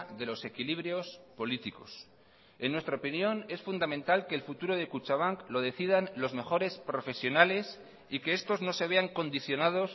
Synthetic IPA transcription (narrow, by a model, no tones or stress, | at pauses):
ðe̞lo̞se̞kiliβ̞ɾjo̞spo̞lit̪iko̞s | e̞nːwest̪ɾaopinjõ̞ne̞sfund̪amẽnt̪alkeːlfut̪uɾo̞ðe̞kut͡ʃaβaŋklo̞ðe̞θið̞anlo̞zme̞xo̞ɾe̞spɾo̞fe̞sjo̞nale̞s | ikeest̪o̞zno̞se̞β̞e̞aŋko̞nd̪iθjo̞nað̞o̞s